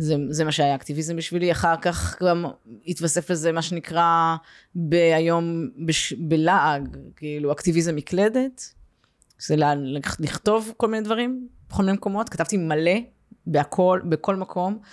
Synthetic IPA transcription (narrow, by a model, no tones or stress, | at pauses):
zezemaʃeajaːkt̪ivizembiʃviliaχaʁkaχɡamit̪vase̞flezemaʃe̞nikʁa | beajo̞mbeʃbelaʔaɡkeiluakt̪ivizemikled̪e̞t | zelalliχt̪o̞vko̞lmined̪vaʁimbexominemeko̞mo̞t̪kat̪avt̪imale̞ | beakʰo̞lbeko̞lmakʰo̞m